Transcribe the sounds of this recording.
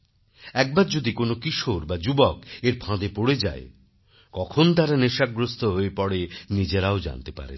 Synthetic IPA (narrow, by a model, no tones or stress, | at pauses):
ɛk̚baɾd͡ʑod̪ikonokiʃoɾbad͡ʑubɔkeɾpʰãd̪epoɽed͡ʑa̰e | kɔkʰont̪aɾaneʃaɡɾost̪ʰoɦoepɔɽenid͡ʑeɾaod͡ʑa̰nt̪epa̰ɾḛ